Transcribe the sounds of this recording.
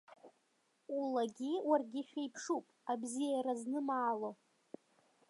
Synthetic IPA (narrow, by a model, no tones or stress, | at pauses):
ulaɡʲiwarɡʲiʃᶣajpʰʂupʼabzijaɾaznɨmaːlo